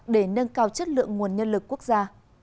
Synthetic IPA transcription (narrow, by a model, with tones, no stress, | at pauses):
ɗe˧˩nə˧nkaː˧wt͡ɕə˦˥t̚lɨ̰˧˨əŋŋu˨˩ənɲə˧nlɨ˨˩kːu˦˥ək̚zaː˧